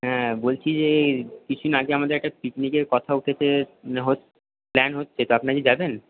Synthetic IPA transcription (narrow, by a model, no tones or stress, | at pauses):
ɦɛ̃bolt͡ɕʰid͡ʑekit͡ɕʰunaɡeamad̪eɾɛk̚ʈapiknikeɾkɔt̪ʰauʈʰet͡ɕʰeɦo | plɛnɦotːɕʰet̪oapnakid͡ʑaben